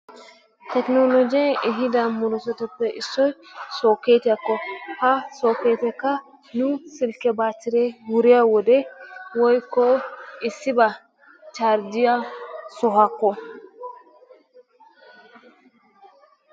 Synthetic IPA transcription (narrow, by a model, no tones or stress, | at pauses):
tɛknolod͡ʒɛɛɦidamuɾɔsɔtɔtːɛʔisɔjsɔkɛtɛkːɔhasɔkɛtɛka | nusilkɛbatiɾɛwuɾiawɔdɛwɔjkɔɛsiba | t͡ʃaɾdiasɔɦakːɔ